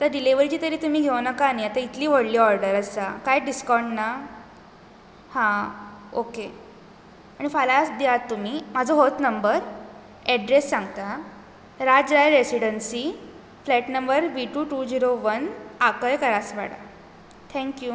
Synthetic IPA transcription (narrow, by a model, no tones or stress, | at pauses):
t̪əɾɖileʋəɾt͡ɕiːt̪əɾiːt̪um̤iːɡʱewnəkaːniat̪ait̪liːʋəɽliːɔɾɖəɾəsakajɖiskɔɾɳɖna | hãoke | aɽ̃ifalasd̪jat̪ːum̤iːm̤ad͡zʱoɦot̪nəmbəɾ | ɛɖɾesːãŋɡt̪a | ɾad͡zɾajɾesiɽənsi | flɛʈnəmbəɾʋiʈuʈud͡ʑiɾoʋənakəjkəɾasʋa̰ɽa̰ | t̪ʰɛ̃ŋkju